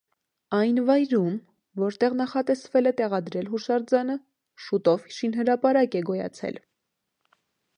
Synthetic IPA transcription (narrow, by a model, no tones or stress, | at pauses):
ɑjnvɑjɾum | vɔɾt̪ɛʁnɑχɑt̪ɛsvɛlɛt̪ɛʁɑd̪ɾɛlɦuʃɑɾd͡zɑnə | ʃut̪ɔvhiʃinɦəɾɑpɑɾɑkɛɡɔjɑ̰t͡sʰɛ̰l